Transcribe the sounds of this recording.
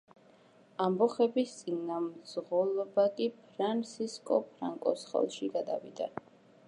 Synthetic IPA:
ambɔχɛbist̪sʼinamzʁɔlˠɔbakʼipʰɾant̪sʰiskʼɔpʰɾaŋkʼɔsχɛ̰lˠʃiɡad̪a̰vḭd̪a̰

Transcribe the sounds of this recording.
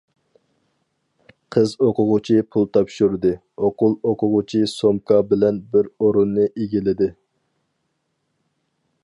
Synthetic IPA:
qʰəzoqʰʊʁʊt͡ʃʰipʰulˠt̪ʰɑpʃuɾd̪ɨ | oqʊlˠoqʰʊʁʊt͡ʃʰisomkʰɑbɪlɛnbɪɾoɾunːɨʔeɡʲilɪd̪ɪ

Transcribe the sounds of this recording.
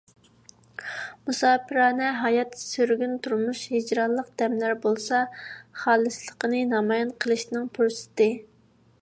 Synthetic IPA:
musɑːpʰɨɾɑːnɛɦɑjɑt̪søɾɡʲynt̪ʰuɾmuʃhid͡ʒɾɑlˠːəq̚d̪̥ɛmlæɾbolˠsɑχɑːlˠɨslˠəqənɨnɑmɑjɑnqʰəlˠɨʃnɨŋpʰuɾsɪ̥t̪ɪ

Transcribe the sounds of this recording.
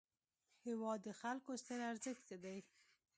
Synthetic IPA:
hɪwɑd̪ːəxalkost̪əɾaɾzəxt͡səd̪aj

